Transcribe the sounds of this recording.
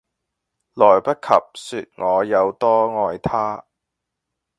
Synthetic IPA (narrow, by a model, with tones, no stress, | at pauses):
lɔː˨˩jpɐ˥t̚kʰɐ̰˨p̚syː˧t̚ŋɔː˨˧jɐ˨˧wt̪ɔː˥ŋɔː˧jt̪ʰaː˥